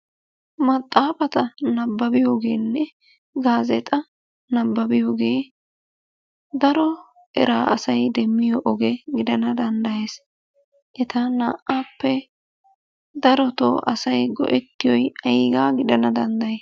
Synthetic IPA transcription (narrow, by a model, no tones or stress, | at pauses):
mɐt̪ʼːaːfɐt̪ɐnɐbːɐbɪjoːɡe̞ːnːɛ | ɡaːzɛt̪ʼɐ | nɐbːɐbɪjo̞ːɡe̞ː | d̪ɐɾɔ | ɛ̰ɾaːɐsɐjd̪ɛmːɪjɔʔːɡɛɡɪd̪ɐnɐd̪ɐnd̪ɐjeːs | ʔɛt̪ɐnaːʔaːpːɛ | d̪ɐɾɔt̪o̰ːʔɐsɐjɡɔ̰ʔɛt̪ːɪjɔjɐjiːɡaːɡɪd̪ɐnɐd̪ɐnd̪ɐje